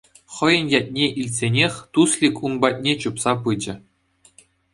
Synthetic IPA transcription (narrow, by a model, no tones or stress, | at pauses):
χɤ̆jɤ̆njɑt̚ʲnʲeʔilʲtʲsʲenʲexʲt̪uslʲikʲunbɑt̚ʲnʲet͡ɕupsɑp̬ɯd͡ʑɘ̆